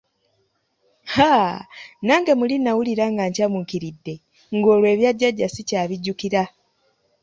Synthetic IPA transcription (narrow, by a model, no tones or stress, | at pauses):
ha | naːŋɡe̞mulinawuliɾaŋɡaɲcamukiɾidːe̞ | ŋɡo̞ːlwe̞ːβjaɟːaɟːasicaːβiɟːukiɾa